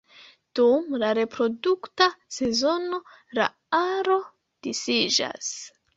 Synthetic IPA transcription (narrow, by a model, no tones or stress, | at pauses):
d̥umlaɾe̞pɾo̞duktase̞zo̞no̞ | la̰ | aɾo̞ | d̥isid͡ʒa̰s